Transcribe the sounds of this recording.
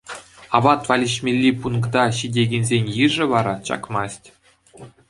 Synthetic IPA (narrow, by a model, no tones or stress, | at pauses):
ɑbɑt̪ʋɑlʲiɕmʲelʲːipunɡd̪ɑɕidʲeɡʲĕnʲzʲenʲjɯʐɘ̆ʋɑɾɑt͡ɕɑ̰kmɑsʲtʲ